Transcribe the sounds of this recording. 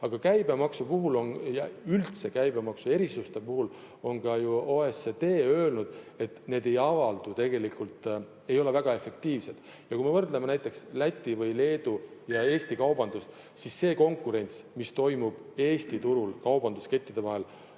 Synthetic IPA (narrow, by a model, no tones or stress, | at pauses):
ɑɡ̥ɑkæjbe̞mɑksupuɦulo̞njɑylt̪se̞kæjbe̞mɑksue̞ɾisust̪e̞puɦul | o̞nɡ̥ɑjuoːesːet̪e̞ːø̞ːlnud̪̥e̞t̪ne̞ːd̪e̞jɑvɑld̪ut̪e̞ɡ̥e̞likːult̪ˑ | e̞jo̞le̞væɡ̥ɑe̞fe̞kt̪iːvse̞d̪̥ | jɑkujme̞vɤrd̪lemenæjt̪ːˑekslæt̪ʲːˑivɤjle̞ːd̪ujɑe̞ːst̪ikɑwbɑnd̪̥us | sisːe̞ːko̞ŋkuɾe̞nʲt̪smist̪o̞jmub̥e̞ːst̪it̪uɾulkɑwbɑnd̪uske̞t̪ːˑid̪̥e̞vɑɦe̞l